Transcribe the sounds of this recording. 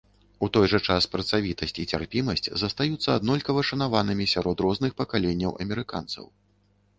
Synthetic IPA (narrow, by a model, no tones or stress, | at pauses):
ut̪ɔjʐɐt͡ʂaspɾɐt̪savʲit̪ɐsʲt͡sʲit͡sʲarpʲimɐsʲt͡sʲzɐst̪ajut̪sːɐad̪nɔlʲkɐvɐʂɐnavanɨmʲisʲaɾɔt̪ɾɔznɨxpɐkalʲenʲːɐwʔɐ̰mʲɛɾɨka̰nt̪sɐ̰w